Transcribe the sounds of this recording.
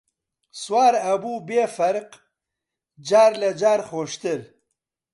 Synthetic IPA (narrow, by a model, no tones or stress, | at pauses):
swaːɾɐbubefɐɾq | d͡ʒaːɾlad͡ʒaːɾxoːʂt̪əɾ